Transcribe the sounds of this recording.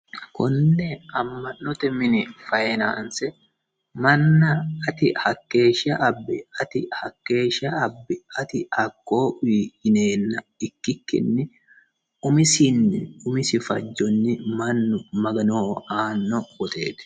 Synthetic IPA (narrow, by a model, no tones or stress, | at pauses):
kɔnːɛɐmːɐnːɔt̪ɛmɪnɪfɐjɛna̰ːnsɛ | mɐnːɐːt̪ɪhɐkːe̞ːʃɪɐʔɐbːɛɐt̪ɪhɐkːe̞ːʃɪɐːbːɛɐt̪ɪhɐkːoːwiːhɪneːnːɐɪkːɪkːɪ̰nːɪ | ʊmɪsɪnːɪʊmɪsɪfɐd͡ʒːɔnːɪmɐnːʊmɐɡɐnoːaːnːɔɡɔt̪ḛːt̪ɛ̥